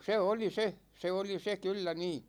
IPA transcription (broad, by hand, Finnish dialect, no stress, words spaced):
se oli se se oli se kylːæ niː